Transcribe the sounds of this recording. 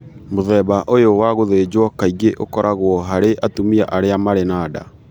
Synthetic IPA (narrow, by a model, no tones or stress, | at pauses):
moðɛbaʔojowaɣoðed͡ʑwɔkaiɣeʔokɔɾʔaɣwɔɦaɾeʔatumia̰ʔaɾeamaɾenaːda